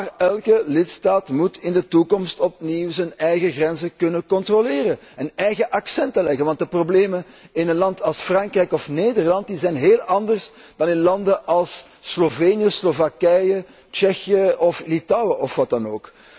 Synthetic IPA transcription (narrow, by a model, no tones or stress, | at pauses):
arɛlˠkəlɪtstaːtmutɪndətukɔmstɔp̚niwzənɛjɣəɣrɛnzəkɵnəkɔntroleːɾə | ənɛjɣəʔɑksɛntəlɛɣənʋɑnt̚dəprobleːmə | ɪnənlɑntɑlˠsfrɑŋkrɛjkɔfneːdərlɑnt̚dizɛjnɦeːlˠɑndərs | d̥ɑnɪnlɑndəʔɑlˠsː | loveːnijəslovakɛjə | t͡ʃɛxjəɔflitɑwəʔɔfʋɑt̚dɑnoːk